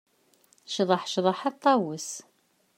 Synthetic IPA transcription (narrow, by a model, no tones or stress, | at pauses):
ʃðˤəħʃðˤəħɑt̪ˤːɑwəs